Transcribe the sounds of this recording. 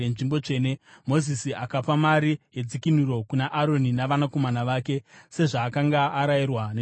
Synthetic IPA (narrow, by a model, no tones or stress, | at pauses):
enʐimbo̞t͡ʂe̞ːne̞mo̞zisiakapamaɾiɦe̞d͡zikinuɾo̞kunaʔaɾo̞ninaʋanako̞manaʋaːke̞se̞ʐaːkaŋɡaːɾajirwane